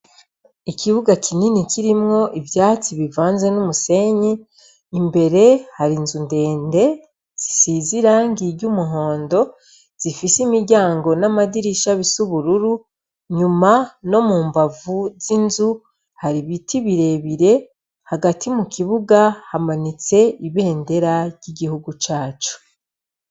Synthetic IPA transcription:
ikʰiβuɡakʰininikiɾimŋo̞ʔivjaːt͡siβivaːnzenumuse̞ɲiː | mbe̞ɾe̞haɾinzunde̞ːnde̞ | z̥isiziɾaːŋɡiɾɟumuɦo̞ːndo̞ | z̥ifisimiɾɟaːŋɡo̞namadiɾiʃaβisuβuɾuɾu | ɲumano̞muːmbavuzinzu | haɾiβitiβiɾe̞βiɾe̞ | haɡatʰimukʰiβuɡahamanit͡se̞iβe̞ːnde̞ɾaɾɟiɡihuɡut͡ʃaːt͡ʃu̥

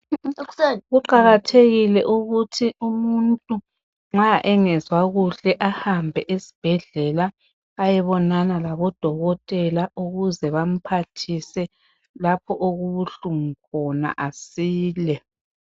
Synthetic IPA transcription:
ɣuǃaɣatʰeɣilɛʔuɣutʰiumuntʼu | ŋ͡ǁaʔɛŋɛzwaɣuɬɛʔahambʱɛʔesi̥b̥ʱɛɮɛlaː | jɛβɔnanalaβɔd̥ʱɔɣɔtʼɛlaʔuɣuzɛβam̩pʰatʰisɛ | lapʰɔʔoɣuβuɬuŋ̩kʰɔna̰ʔasiːlɛ

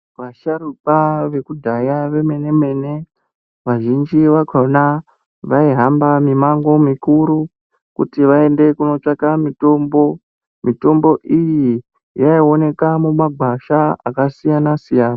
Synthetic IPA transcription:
ʋaʃaɾupaʋe̞kudʱajaʋe̞me̞ne̞me̞ːne̞ | ʋaʒind͡ʒiʋaɡʰʱona | ʋaiɦambamimaŋɡo̞mikuɾu | kṵtiʋae̞nde̞kuno̞t͡ʂakamito̞ːmbo̞ | mito̞mbo̞ʔiji | jaio̞ne̞kamumaɡʱwaʃaa̰kasijanasijaːna

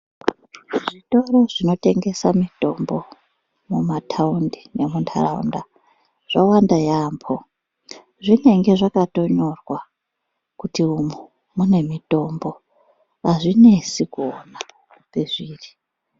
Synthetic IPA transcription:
ʐito̞ro̞ʐino̞te̞ŋɡe̞samito̞mbo̞ | mumatʰaundijemuntʰa̰ra̰ṵnda | ʐ̥awandajaːmpʰo | ʐine̞ŋɡe̞ʐakato̞ɲo̞rwa | kutiumu | mune̞mito̞mbo̞ | ɦaʐine̞sikuona | pe̞ʐiːri

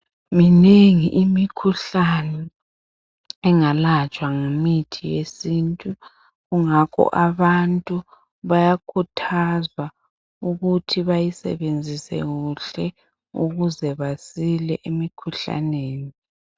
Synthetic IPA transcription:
mineŋiʔimikʰuɬanɛ | ɛŋalat͡ʃʼwaŋomitʰijesintʼu | ɣuŋakʰɔ̰ʔaβantʼu | βajakʰutʰazwa | uɣutʰiβajisɛ̰βend͡zʱisɛ̰ɣuɬɛ | ṵɣuzɛβasilɛʔemikʰuɬa̰neːni

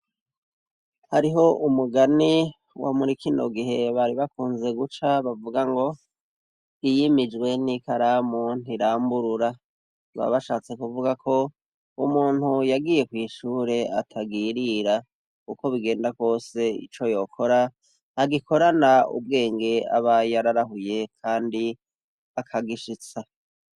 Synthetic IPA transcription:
haɾiɦo̞umuɡani | wa̰muɾikino̞̰ɡiɦe̞βaɾiβakuːnze̞ɡut͡ʃaβavuɡaŋɡo̞ | ijimid͡ʒɡwe̞nikaɾamon̥iɾaːmbuɾuɾa | βa̰βaʃaːt͡se̞kuvuɡakʰo̞ | umuːn̥hujaɡiːje̞kwiːʃuːɾe̞a̰tʰaɡiːɾiːɾa | kuko̞βiɡe̞ːndakwo̞ːse̞ḭt͡ʃo̞jo̞kʰo̞ɾaː | ɡikʰo̞ɾanaṵbɡe̞ːŋɡe̞a̰βajaɾaɾaɦuje̞kʰaːndi | akʰaɡiʃit͡sa

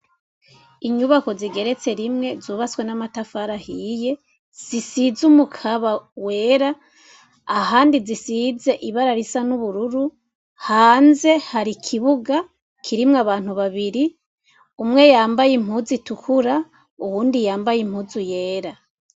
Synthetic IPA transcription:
iɲuβako̞ziɡe̞ɾe̞t͡se̞ɾimŋe̞zuːβat͡swe̞namatafaɾahije̞ | z̥isizumukʰaβawe̞ːɾa | aɦaːndizisize̞ʔiβaɾaɾisanuβuɾuɾu | haːnze̞haɾikʰiβuɡa | kʰiɾimŋaβaːn̥huβaβiɾi | umŋe̞jaːmbajimhuzitukʰuɾa | uhuːndijaːmbajim̥huzuje̞ːɾa

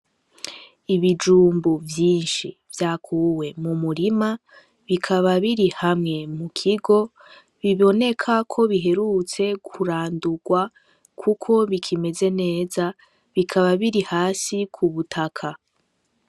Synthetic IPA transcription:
iβid͡ʒuːmbuvjiːnʃḭvjaːkʰuːwe̞mumuɾima | βikʰaβaβiɾihamŋe̞mukʰiɡo̞ | βiβo̞ne̞kʰakʰo̞βiɦe̞ɾut͡se̞kʰuɾaːnduɡwa | kʰukʰo̞βikʰime̞ze̞ne̞ːza | βikʰaβaβiɾihaːsikʰuβutʰakʰa

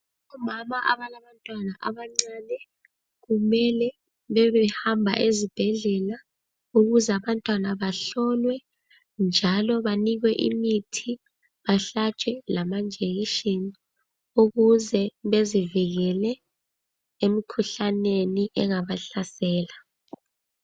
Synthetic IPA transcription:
ɔmamaʔaβalaβantʼwanaʔaβaŋ͡ǀaːnɛ | ɣumɛlɛ | βɛβɛhambʱa̰ʔezib̥ʱɛɮɛla | uɣuzɛaβantʼwanaβaɬɔlwɛ | nd͡ʒʱalɔβaniɣwɛʔḭmitʰi | βaɬat͡ʃʰʼwɛlamand͡ʒʱeɣiʃini | uɣuzɛβeziviɣɛlɛ | emikʰuɬaneniʔɛŋaβaɬasɛːla

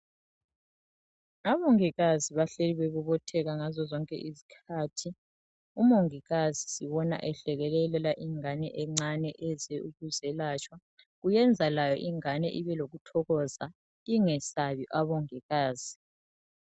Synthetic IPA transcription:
aβoŋiɣaziβaɬeliβeɣuβɔtʰɛɣaŋazɔzɔŋkʼɛ̰ʔizi̥kʰaːtʰi | umoŋiɣazisiβɔna̰ʔɛɬɛɣɛlɛlɛlaʔiŋanɛʔɛŋ͡ǀanɛʔɛzɛuɣuzɛlaːt͡ʃʰʼwa | ɣujɛnd͡zʱalajɔ̰ʔiŋanɛ̰ʔiβɛloɣutʰɔɣɔza | iŋɛsaβiʔaβɔŋiɣaːz̥i

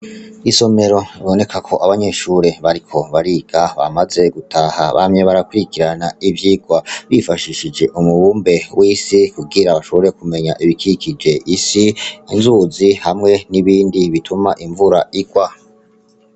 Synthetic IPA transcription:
iso̞me̞ɾo̞iβo̞ne̞kʰakʰo̞ʔaβaɲe̞ʃuɾe̞βaɾikʰo̞βaɾiɡ̥aβa̰maze̞ɡutʰaha̰βa̰mɲe̞βaɾakuikiɾanaivjiːɡwaβifaʃiʃid͡ʒe̞ʔumuβuːmbe̞wʔiːsikub̚ɡiɾaβaʃoβoɾe̞kume̞ɲaʔiβikikid͡ʒe̞ʔisiinzuzihamŋe̞niβiːndiβitʰumaʔiɱvuɾaiɡwa

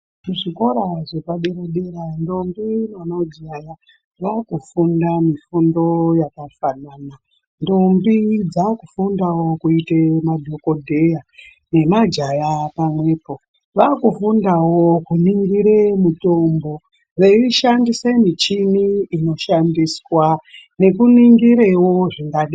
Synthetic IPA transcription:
muʐiko̞ɾaʐepaɗeɾaɗeɾando̞mbinonod͡ʒaja | ʋakufundamifundo̞jakafanaːna | ndo̞mbid͡zakufundawo̞kuitemadʱoko̞dʱe̞ja | ne̞mad͡ʒajapamwe̞ːpo̞ | ʋakufundawokuniŋɡiɾemuto̞mbo | ʋe̞iʃandisemit͡ʃiniːno̞ʃandiswane̞kuniŋɡiɾewo̞ʐiŋɡaɗi

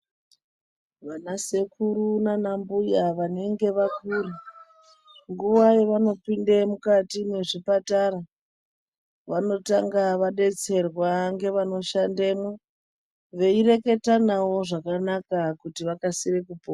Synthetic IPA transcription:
ʋanase̞kuɾunanambujaʋane̞ŋɡe̞ʋakuːri | ŋɡuʋajeʋano̞pindemukatimwe̞ʐipatara | ʋano̞taŋɡaʋaɗe̞t͡se̞rwaŋɡe̞ʋano̞ʃandemo | ʋe̞ire̞ke̞tanawo̞ʐakanakakutiʋakasirekupoa

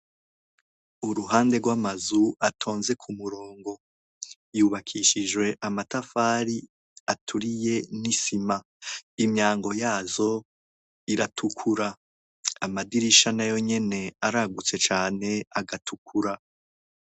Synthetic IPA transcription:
uɾuɦaːnde̞ɾɡwamazuatʰo̞ːnze̞kʰumuɾoːŋɡo̞ | juːβakʰiʃid͡ʒwe̞ʔamatafaːɾi | atʰuɾije̞nisima | imɲaːŋɡo̞jaːzo̞ | iɾatʰukʰuɾa | amadiɾiʃanajo̞ɲe̞ne̞aɾaɡut͡se̞t͡ʃaːne̞aɡatʰukʰuɾa

